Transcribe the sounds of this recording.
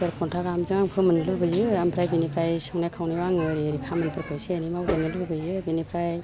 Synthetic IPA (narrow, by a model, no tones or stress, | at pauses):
sɯɾʰɔntʰaɡamzɯŋaŋpʰɯmɯnɯlɯbɯjɯampʰɾajbinipʰɾajsɯwnajkʰawniwaŋɯɾiɾikʰamɯnpʰɯɾkʰɔjsenimawdenɯlɯbɯjɯbinipʰɾaj